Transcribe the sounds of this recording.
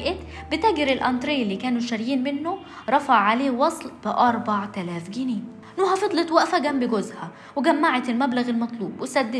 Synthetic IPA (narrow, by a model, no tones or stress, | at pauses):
ʔɪt̪ | bɪt̪æːɡɪɾɪlʔɑnt̪ɾeːlːiːkæːnuʃæɾjiːnmɪnːo | ɾˤɑfaʕːaleːwɑsˤlb̥ɪʔɑɾˤbaʕt̪ælæːfɡiniː | nuːhæfɑd̪ˤlɑt̪wæʔfæɡæmbɪɡʊzhæ | wɪɡæmːaʕat̪elmæblaɣelmɑt̪ˤluːbwɪsæd̪ːɪ